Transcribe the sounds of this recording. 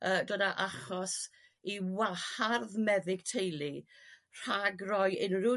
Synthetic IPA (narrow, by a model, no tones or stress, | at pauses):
əːdɔdaʔaχɔs | iwaharðmɛðɪɡ̥tʰejlˠir̥aɡrɔjɪnrʊ